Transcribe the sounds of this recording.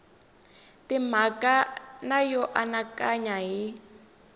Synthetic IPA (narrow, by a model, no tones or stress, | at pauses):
timakanajɔʔanakaɲaɦi